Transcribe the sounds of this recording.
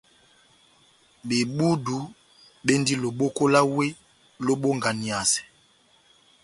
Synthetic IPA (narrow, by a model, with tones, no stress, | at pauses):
be˨ɓu˦du˨ | ɓe˦ndi˦lo˨ɓo˦ko˦la˦we˦ | lo˦ɓo˦ŋɡa˨ni˨a˨sɛ̥˨